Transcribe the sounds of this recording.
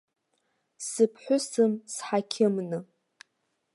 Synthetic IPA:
sɨpʰħʷᶣʊsɨmsħakʲʰɪmnɨ

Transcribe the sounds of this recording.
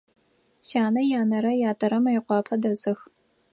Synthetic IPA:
sjaːnɐjaːnɐɾɐjaːtʼɐɾɐmɐjɪqʷɑːpʰɐdɐzɨx

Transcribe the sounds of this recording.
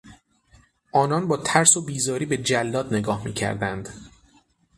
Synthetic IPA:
ʔɒːnɒnbɒːt̪ʰæɾsobiːzɒːɾiːbe̞d͡ʒælːɒːd̪ne̞ɡɒːhmḭːcʰæ̰ɾd̪ænd̪

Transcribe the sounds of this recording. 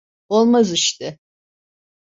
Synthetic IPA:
olˠmaziʃt̪ɪ

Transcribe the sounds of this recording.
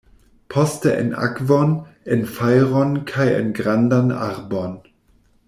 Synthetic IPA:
pʰɔstəʔɛ̰nʔa̰kvɔnɛnfajʁɔnkʰajɛ̰nɡʁandana̰ʁbɔn

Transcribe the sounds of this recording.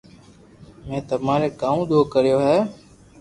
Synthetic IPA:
mẽːt̪əmaːɾeːkaːũːd̪oːkəɾjoːɦɛː

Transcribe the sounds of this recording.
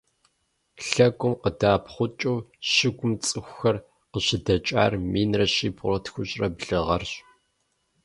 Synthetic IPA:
ɬɐɡʷʼʊmqədaːpχʷʊt͡ʃʼɨwɕɪɡʷʊmt͡sʼɨxʷxɐr | qəɕɪdɐt͡ʃʼa̰ːrmiːnrɐɕiːbʊrɐtxʷʊɕʼrɐbɮɨʁɐrɕ

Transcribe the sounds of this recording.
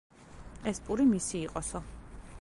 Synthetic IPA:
ɛspʼuɾimisiːqʼɔsɔ

